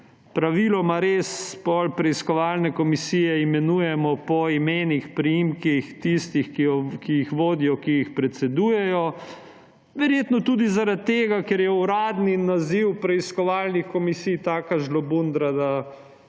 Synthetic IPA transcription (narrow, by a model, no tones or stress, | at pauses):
pɾaʋiːlɔmaɾespɔlpɾɛiskɔʋaːlnɛkɔmisiːjɛimɛnujɛmɔpɔimeːnixpɾijimkixt̪ist̪ixkiɔkiixʋoːd̪ijɔkijixpɾɛt̪sɛd̪uːjɛjɔ | ʋɛɾjeːt̪nɔt̪uːd̪izaɾat̪̚ːeːɡakɛɾjɛuɾaːd̪ninaziwpɾɛiskɔʋaːlnixkɔmisijt̪aːkaʒlɔbund̪ɾad̪a